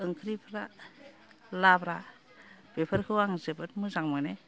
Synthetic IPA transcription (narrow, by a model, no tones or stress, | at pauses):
ɯŋkʰɯɾipʰɾa | labɾa | b̥epʰɯɾkʰɯwaŋzɯbɯt̚mɯzaŋmɯne